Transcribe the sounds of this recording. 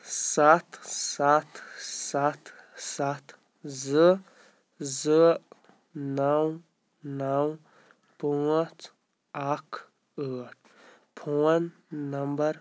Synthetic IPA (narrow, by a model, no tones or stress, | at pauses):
sat̪sat̪sat̪ʰsat̪ʰ | zɨ | zɨ | naw | naw | puət͡s | akʰ | əːʈ̚ʰ | pʰowənː | ɐmbɐɾ